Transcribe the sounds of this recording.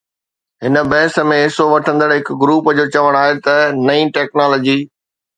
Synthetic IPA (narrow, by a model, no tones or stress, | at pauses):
ɦɪnə̆bɐːsə̆mẽɦɪsoʋɐʈʰə̃nd̪əɽɦɪkɡɾuːpd͡ʑoːt͡ɕɐʋəɽ̃aːɦet̪ɐnɐĩːʈɛːknaːloːd͡ʑiː